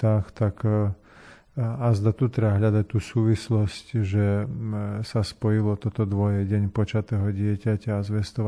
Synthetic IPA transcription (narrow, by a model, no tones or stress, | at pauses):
axt̪ak | azd̪at̪ut̪ɾaɦʎad̪ac̚t̪uːsuːʋislɔscʒɛ | saspɔjilɔt̪ɔt̪ɔd̪ʋɔjɛɟɛɲpɔt͡ʃat̪ɛːɦɔɟɪɛcacaːzʋɛst̪ɔʋ